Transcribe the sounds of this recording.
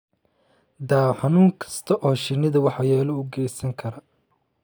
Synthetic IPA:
d̪aːħɑnuːŋkʰɐ̥st̪ʰɐʔɔːʃɪnːɪðɐwɑħɑjɛːlɔuːɡɛjsɐŋkʰɐɾɐ

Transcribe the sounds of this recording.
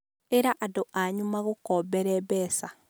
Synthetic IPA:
eɾaʔadoʔaɲumaɣokɔbɛɾɛbɛsa

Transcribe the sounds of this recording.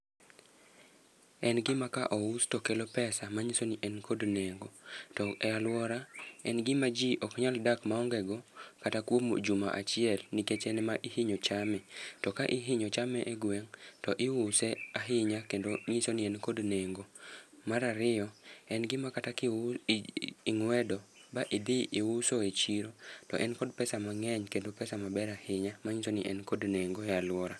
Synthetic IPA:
ɛnɡɪmakaʔɔustɔkelopɛsamaɲisoniʔɛnkʰodneŋɡotɔɛalwɔɾaɛnɡɪmad͡ʒiʔɔkɲaldakmaɔŋɡɛɡɔkatakwomo̰d͡ʒuma̰ʔa̰t͡ʃɪɛlniket͡ʃɛnɛmaʔihiɲot͡ʃamɛtɔkaʔiɦɪɲot͡ʃamɛʔeɡwɛŋtɔʔɪwʊsɛaɦɪɲakendoɲisonɪɛnkodneŋɡomaɾaɾɪjɔɛnɡɪmakata | ɪŋwɛdɔbaʔid̪ɪɪwʊsoet͡ʃiɾotɔ̰ʔɛnkɔdpɛsamaŋɛɲkendopɛsamabɛɾahɪɲamaɲisonɪʔɛnkodneŋɡojalwɔɾa

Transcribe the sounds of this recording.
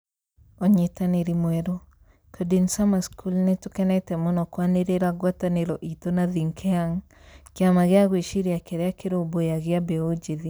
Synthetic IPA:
ɔɲetaneɾimwɛɾo | kʰɔdinsamaskʰulnetʊkɛnɛtɛmɔnɔkwaneɾeɾaɡwataneɾɔʔit̪onaðiŋkʰɛaŋ | kɪamaɣɪaɣweʃiɾjakɛɾɛakʰeɾobojaɣɪabɛod͡ʒiði

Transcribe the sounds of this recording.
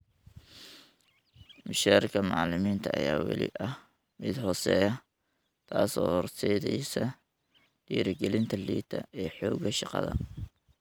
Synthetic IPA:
mʊʃaːɾɪkʰɐmɑʕlɪmiːnt̪ʰɐʔɐ̰jaːwɑ̰lɪ̰ʔɐh | mɪd̪hɔːsɛjɐ | t̪ʰaːsɔːhɔrt̪ʰɛjðɛjsɐ | d̪̥iːɾɪɡɛlɪnt̪ʰɐliːt̪ʰɐɛːħɔːɡɐʃɑqɑ̰ðɐ̰

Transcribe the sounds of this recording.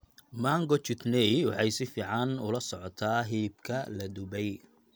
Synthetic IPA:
maːŋɡɔt͡ʃɪt̪nɛjwɑħɑjsɪfiːʕɑnʊlɐsɔʕɔt̪ʰaːɦiːb̚kʰɐlɐd̪ʊbɛj

